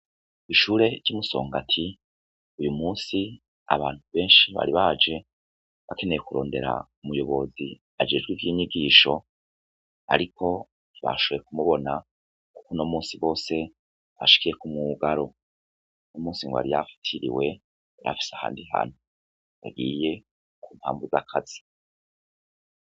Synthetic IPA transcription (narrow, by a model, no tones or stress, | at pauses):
iʃuːɾe̞d͡ʒ̥imuso̞̰ːŋɡatʰi | ujumuːsi | a̰βaːn̥huβe̞ːnʃiβa̰ɾiβaːd͡ʒe̞ | βake̞ne̞jekuɾo̞ːnde̞ɾa̰ | umujo̞βo̞zi | ad͡ʒe̞d͡ʒɡwiːvjiːɲiɡiːʃo̞ | a̰ɾikʰo̞ | βa̰ʃoβejekumuβo̞na | ku̥kono̞muːnsiβo̞ːse̞ | βa̰ʃi̥kije̞kumŋuɡaɾo̞ | nomuːsiŋɡoa̰ɾija̰fḁtʰiɾḭwe̞ | ɾa̰fi̥seaha̰ːndiɦa̰n̥u | jaɡiːje̞ | kuːntha̰ːmbuzakʰaz̥i̥